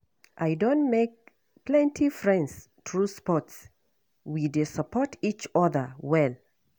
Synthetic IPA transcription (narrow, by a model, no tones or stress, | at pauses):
ʔajdõnmek̚ | plɛ̃ntʰifɹɛ̃nds | θɹuspɔts | widesəpʰɔtit͡ʃɔðə˞wɛl